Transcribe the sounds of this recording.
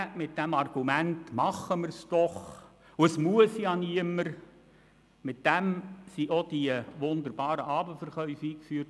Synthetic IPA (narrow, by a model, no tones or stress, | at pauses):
mɪt̚d̥æmɑrɡ̥umæntmɑχːəmərsd̥ɔχ | ʊəsmuəsjɑniəməɾ | mɪt̚d̥æmsiʔod̥iəʋʊndəɾbɑːɾəʔɑːbəfərχœʏfiːkfyːərt